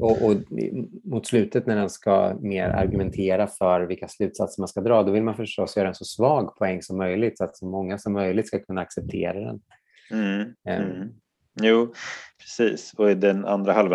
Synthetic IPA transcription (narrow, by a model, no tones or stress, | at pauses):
ɔʔɔ | mʊt̪slʉ̟ːt̪ət̪næɖɛnska̰mḛːɾa̰ɾɡɵmɛnt̪ʰeːɾafœɾvɪlkːaslʉ̟ːt̪sat̪səɾmanskad̪ɾɑːd̪ɔvɪlmanfœʂʈɔsjœːɾaɛnsɔsvɑːɡpʰɔɛŋːsɔmːœjlɪɡ̚t̪sɔat̪sɔmːɔŋːasɔmːœjlɪɡt̪skakʰɵnːaaksɛp̚t̪ʰḛːɾad̪ɛ̰n̩ | juːpʰɾɛ̥siːsɔɪd̪ɛna̰nd̪ɾahalva